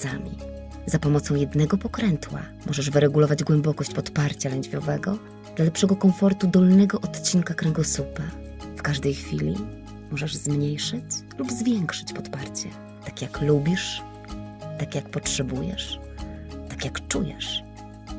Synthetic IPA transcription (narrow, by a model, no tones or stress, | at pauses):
samʲḭ | zapɔmɔt̪sɔ̃w̃jɛd̪nɛɡɔpɔkɾɛnt̪wa̰ | mʔɔʐɛʐvɘɾɛɡulɔvad͡ʑɡwɛmbɔkɔɕt͡ɕpɔt̪paɾt͡ɕalɛɲd͡ʑvʲjɔvɛɡɔ | d̪lalɛpʂɛɡɔkɔmfɔɾt̪ud̪ɔlnɛɡɔʔɔt̪t͡ɕiŋkakɾɛŋɡɔsupa | fkaʐd̪ɛjxfʲilʲḭ | mɔʐɛʐzmɲejʂɘt͡ɕlubzvʲjɛŋkʂɘ̥t͡ɕpɔt̪paɾt͡ɕɛ | t̪akʲjaklubʲiʂ | t̪akʲjakpɔtʂɛbujɛ̰ʂ | t̪akʲjakt͡ʂujɛ̰ʂ